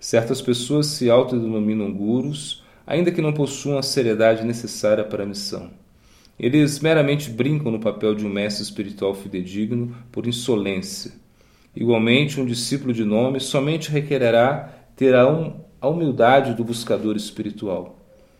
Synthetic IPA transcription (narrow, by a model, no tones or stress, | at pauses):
sɛɾt̪ɐspesoɐsːɪawt̪ʊd̪enõmĩnɐ̃w̃ɡuɾʊs | a̰ʔĩnd̪ɐkɪnɐ̃w̃posuɐ̃w̃ɐseɾied̪ad͡ʒɪnesesaɾiɐpaɾɐmisɐ̰̃w̃ | elɪzmeɾɐmẽnt͡ʃɪbɾĩŋkɐ̃w̃nʊpapɛwd͡ʒɪũmɛst̪ɾɪspiɾit̪uawfid̪ed͡ʒiɡnʊpoɾĩsolẽsiɐ | ḭɡwawmẽnt͡ʃɪũd͡ʒisipulʊd͡ʒɪnõmɪsɔmẽnt͡ʃɪɦekeɾeɾat̪eɾaɐumiwd̪ad͡ʒɪd̪ʊbuskad̪oɾɪspiɾit̪uaw